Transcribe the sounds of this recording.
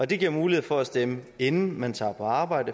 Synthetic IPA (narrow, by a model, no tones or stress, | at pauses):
ɒ̽d̥e̝ɡ̥iɐmuːlie̝ð̰ˠfɒ̽æsd̥eməe̝nn̩mænt͡sʰɑ̰̈ːpʰɒ̽ɑ̈ːb̥ɑ̈ɪ̰d̥ə